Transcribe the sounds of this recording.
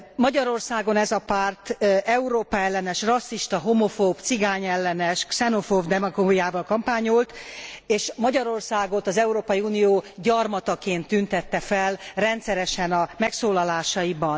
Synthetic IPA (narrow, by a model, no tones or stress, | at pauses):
mɒɟɒɾo̞rsaːɡo̞nɛzɒpaːrt̪ɛuɾoːpaɛlːɛnɛʃrɒsːiʃt̪ɒɦomo̞foːbt̪siɡaːɲɛlːɛnɛʃksɛnofoːvd̪ɛmɒɡoːijaːvɒlkɒmpaːɲolt̪eːʃmɒɟɒɾo̞rsaːɡo̞t̪ɒzɛuɾoːpɒjiuːnijoːɟɒrmɒt̪ɒkeːnt̪ːynt̪ɛt̪ːɛfɛlrɛnt̪sɛɾɛʃɛnɒmɛksoːlɒlaːʃɒibɒn